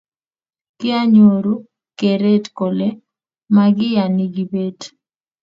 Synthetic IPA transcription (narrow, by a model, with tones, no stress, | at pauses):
kɪ˦a˦ɲo˨ɾu˦ | ke˨ɾe˦tko˨le˦ | maɡɪ˦ja˨nɪ˨ɡi˨be˦t